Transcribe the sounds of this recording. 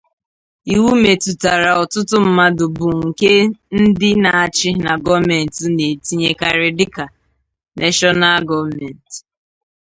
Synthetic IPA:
i˨wu˦me˨tu˨ta˨ɾa˨ɔ˨tʊ˦tʊ˦m̩˦ma˦dʊ˨bʊ˨ŋ̩˨ke˦n̩˦dɪ˦na˨a˨t͡ʃɪ˦na˨ɡɔ˦me˨n̩˨ti˨ne˨ti˦ɲe˦ka˨ɾe˨dɪ˦ka˨ | nʔɛ˦ʃɔ˦na˦lɡɔ˦mɛ˨n̩˨t

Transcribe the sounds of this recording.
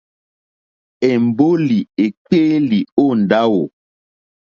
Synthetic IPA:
ɛ˨m˨bo˦li˨e˨k͡peː˦li˨o˦˨n˨da˦wo˨

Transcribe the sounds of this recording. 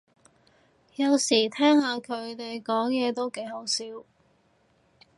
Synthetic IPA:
jɐ˨˧wsiː˨˩t̪ʰɛː˥ŋhaː˧kʰɵ˨˧ɥt̪e˨jkɔː˨˥ŋjɛː˨˧t̪o˥wke˨˥jɦo˨˥wsiː˨˥w

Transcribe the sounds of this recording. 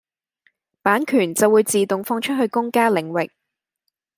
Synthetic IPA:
paː˨˥nkʰyː˨˩nt͡sɐ˨wuː˨˧jt͡siː˨t̪ʊ˨ŋfɔː˧ŋt͡ʃʰɵ˥t̚ɦɵ˧ɥkʊ˥ŋkaː˥lɪ˨˩ŋwɪ˨k̚

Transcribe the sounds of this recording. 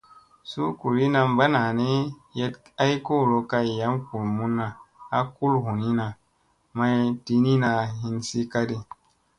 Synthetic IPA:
su˦ku˨ɾi˦na˧mba˦na˨ne˦je˦ta˦i˦ko˦˨ɾo˧ka˧i˨ja˨˦mku˨lmu˦nːa˨a˦ku˦lhu˨ni˦na˨ | ma˦ti˧ni˦na˧ɦi˧nsi˦ka˦di˦

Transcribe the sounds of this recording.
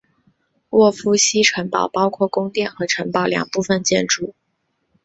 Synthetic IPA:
wɔ˥˩fu˥ɕi˥ʈ͡ʂʰə˧˥npɑ̰˨˩ʊpɑ˥ʊkʰwɔ˥˩kʊ˥ŋt̪jɛ˥˩nxɤ˧˥ʈ͡ʂʰə˧˥npɑ˨˩ʊljɑ̰˨˩ŋpu˥˧fə˧nt͡ɕjɛ˥˧nʈ͡ʂu˥˩

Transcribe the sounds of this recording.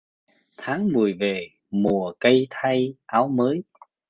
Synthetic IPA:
t̪ʰaː˨˦ŋmɨ˨˩əjve˨˩ | mu˨˩əkə˧jt̪ʰa˧jʔaː˨˦wməː˨˦j

